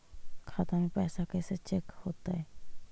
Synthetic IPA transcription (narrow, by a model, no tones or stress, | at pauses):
kʰat̪anipɛːsakeset͡ʃekhot̪aj